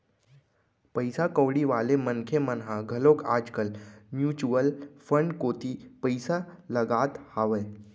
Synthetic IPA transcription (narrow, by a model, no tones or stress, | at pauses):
pəjsakəʋɽiʋaːlemənkʰemənɦaɡʱəlokaːd͡ʒkəlmjuːt͡ʃuəlfəɳɖkoːt̪ipəjsaləɡaːt̪haːʋəj